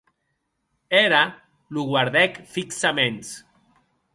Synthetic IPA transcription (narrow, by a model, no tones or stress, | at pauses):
eɾa | luɣwaɾðɛkfiksamẽns